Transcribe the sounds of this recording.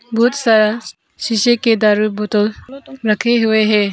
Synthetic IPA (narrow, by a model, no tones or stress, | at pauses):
bʱuːt̪saa | ɕiɕeked̪aɾubʱot̪olɾəkʰeɦuʋeɦe